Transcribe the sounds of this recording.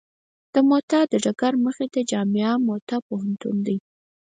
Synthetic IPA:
d̪̥əmot̪ɑd̪əɖaɡaɾməxed̪əd͡ʒɑmɪɑmot̪ɑpoɦant̪ṵnd̪aj

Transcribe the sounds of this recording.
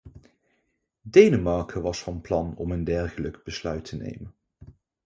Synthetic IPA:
dejnəmɑɹkʰəʋɑsfɑnplɑnɔməndɛɹχələɡb̥əslœɥtʰənḛjmən

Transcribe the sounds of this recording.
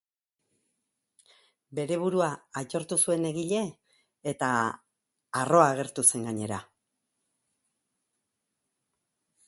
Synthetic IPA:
be̞ɾe̞β̞uɾuaːt͡ʃo̞ɾt̪usue̞ne̞ɣiʎe̞ː | t̪aː | ro̞aːɣ̞e̞ɾt̪use̞ŋɡaɲe̞ɾa

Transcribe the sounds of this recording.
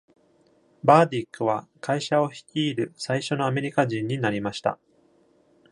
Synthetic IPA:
baːd̪ʲikːɯ̟βakaiɕao̞çi̥kʲiːɾɯ̟saiɕo̞no̞ame̞ɾʲikaʑĩɲ̟ːinaɾʲimaɕi̥t̪a̰

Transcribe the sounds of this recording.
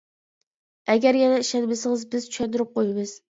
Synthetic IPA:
æɡʲæɾjɛnɛiʃɛd̪bɪsɪŋɨzbɪzt͡ʃʰy̥ʃɛd̪ʊɾɪp̚qʰojɪbɨz̥

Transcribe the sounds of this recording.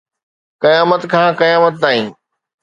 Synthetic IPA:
kɐjaːmət̪kʰãːkɐjaːmət̪̚naːɦĩː

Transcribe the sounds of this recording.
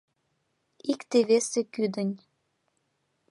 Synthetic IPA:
ikt̪eβesekyd̪ənʲ

